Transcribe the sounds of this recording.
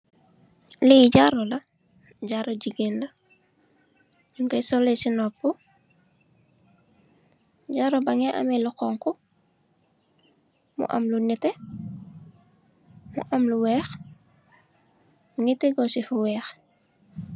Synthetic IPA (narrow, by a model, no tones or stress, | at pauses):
liɟaɾɔlɐ | ɟaɾoɟiɡenlɐ | d͡ʒuŋkɐjsɔlesinɔpːu | ɟaɾobaŋɛʔɐ̰mɛluqɔŋku | mṵʔɐ̰mlunitɛ | mṵʔɐmluwɛːx | ŋiteɡɔsifuwɛːx